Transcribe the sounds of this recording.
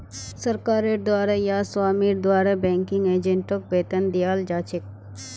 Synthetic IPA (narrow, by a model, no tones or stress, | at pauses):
sɐɾkaːɾeɾd̪waːɾɐjaːswaːmiɾd̪waːɾɐbɛ̃ːŋkɪ̃ŋɡeːd͡ʒeɳʈok̚beːt̪ənd̪ijaːld͡ʒaːt͡ʃɪk̚